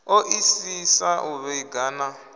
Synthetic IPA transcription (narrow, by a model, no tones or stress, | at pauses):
oʔisisaʔuβɛɡana